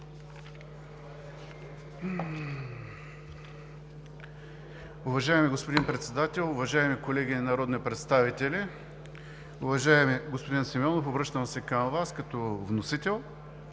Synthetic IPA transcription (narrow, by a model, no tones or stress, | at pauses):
ʊvɐʒaɛmiɡospʊd̪inpɾɛt̪sɛd̪at̪ɛlˠʊvɐʒaɛmikolɛɡʲinnɐɾɔd̪nipɾɛt̪st̪avit̪ɛli | ʊvɐʒaɛmiɡospod̪insimʲɔnofobɾəʃt̪əmsɛkəmvaskɐt̪ɔvnosit̪ɛlˠ